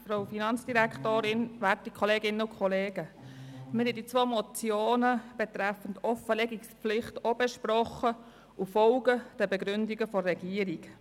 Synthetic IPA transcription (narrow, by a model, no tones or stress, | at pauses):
fɾoʊfinɑnt͡sd̥iɾæktoːɾɪnʋæɾtikʰɔleːɡɪnːəʊkʰχɔleːɡ̥əmɪhɛdit͡sʋoːmɔt͡sjoːnəb̥ɛtɾæfən̩dɔfəlɛɡikspflɪχtobɛʃpɾɔχə | ufɔlɡəd̥ɛbɛɡɾʉndiɡəfɔrːɛɡiːəɾik